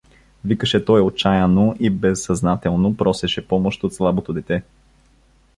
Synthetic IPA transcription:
vikəʃɛt̪ɔjot͡ʃajɐnoʔibɛsːɐznat̪ɛlˠnopɾɔsɛʃɛpɔmoʃt̪ot̪slˠabot̪od̪ɛt̪ɛ

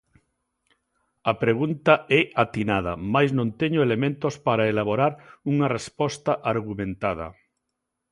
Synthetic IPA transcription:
ɐpɾeɣunt̪ɐɛat̪inað̞ɐ̰majznõnt̪ɛɲoelemẽnt̪ospaɾaelaβoɾaɾuŋɐrespɔst̪ɐʔaɾɣumẽnt̪aðɐ̰

